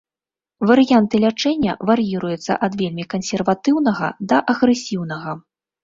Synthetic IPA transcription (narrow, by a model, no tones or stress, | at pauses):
vɐɾɨjant̪ɨlʲat͡ʂɛnʲːɐ̰vɐɾɨjiɾujut̪sːɐ̰ʔɐd̪vʲelʲmʲikɐnsʲɛrvat̪ɨwnɐɣɐ̰d̪ɐʔɐɣɾɛsʲiwn̪ɐɣɐ